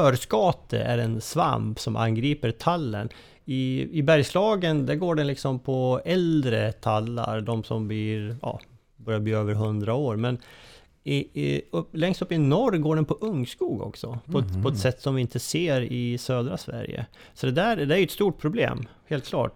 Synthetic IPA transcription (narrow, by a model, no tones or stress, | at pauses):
fœːɾskɑːt̪ə̰ʔæɾɛnsva̰mpsɔmʔa̰nɡɾiːpəɾt̪ʰalːə̰n | ɪɪbæɾjslɑːɡənd̪æɾɡoːɖɛnlɪksɔmpʰɔɛld̪ɾət̪ʰalːa̰ɾd̪ɔmsɔmbliːɾjɑ̰ː | bœɾjabliːøːvəɾɦɵnd̪ɾaoːɾmɛn | ɪɵpːlɛŋst̪ɵpːɪnɔrɡoːɖɛnpʰɔʔɵŋːskuːɡɔ̰ksɔpʰɔɛt̪pʰɔɛt̪sɛt̪ːsɔmvɪɪnt̪əseːɾɪsøːd̪ɾasvæ̰ɾjə̰ | sɔd̪ɛd̪æɾd̪ɛæɾjʏɛt̪st̪uːʈ̚pʰɾʊblḛːmheːlt̪kʰlɑ̰ːʈ